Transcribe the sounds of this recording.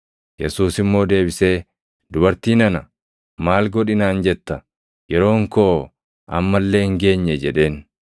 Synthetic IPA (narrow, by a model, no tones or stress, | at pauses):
jɛsuːsɪmːo̞ːd̪e̞ːbɪse̞ː | d̪ʊbɐɾt̪iːnɐnɐ | maːlɡɔᶑɪnaːnd͡ʒɛt̪ːɐ | jɛɾo̞ːŋko̞ː | ʔɐ̰mːɐlːe̞ːɪŋɡe̞ːɲːɛd͡ʒɛᶑe̞ːn